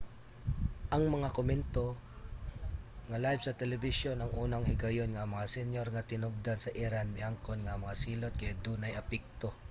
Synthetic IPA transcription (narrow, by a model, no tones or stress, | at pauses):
ʔɐŋmɐŋakomɛnt̪o̞ | ŋɐlajvsɐt̪ɛlɛbɪʃonɐŋʔuːnɐŋhɪɡɐjonŋɐmɐŋasɛnjoɾŋɐt̪ɪnoɡ̚d̪ansɐʔɪɾanmɪʔaŋkonŋɐʔmɐŋasiːlot̪̚kɐʔad̪unɐjɐpɪk̚t̪o